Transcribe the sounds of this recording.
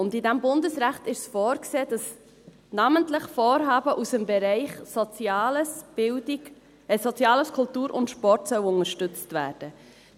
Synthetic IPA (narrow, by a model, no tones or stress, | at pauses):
ʊndɪdæmbʊndəsɾæχtɪʃsfɔːɾkseːd̥ɑs | nɑməntləχfoːɾɦɑːbəʔusəmbɛɾɛɪχsɔt͡sjɑːləsb̥ɪldi | ɛsɔt͡sjɑːləskʰʊltuːɾʔʊ̰ntʃpɔɾtsœwʊŋəɾʃtʏt͡stvæ̰ːɾd̥ə